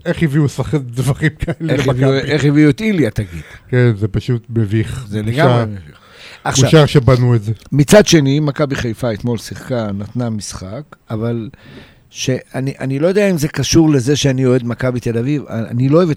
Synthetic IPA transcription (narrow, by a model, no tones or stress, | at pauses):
eχhiviusvaχdvaχimkʰaeleviueχjiviuet̪iljat̪aɡid̥kenzepaʃut̪meviχzeleɡaaʁemeviχ | aχʃavʃaʁʃebanuetzemit͡sad̪ʃe̞nimakabiχeajfaet̪mo̞lsiχkanat̪namisχakaval | ʃe̞aniʔanilo̞jo̞d̪e̞aimze̞kaʃuʁle̞zeʃeanio̞e̞d̪makabit̪e̞laviva̰a̰niloːevet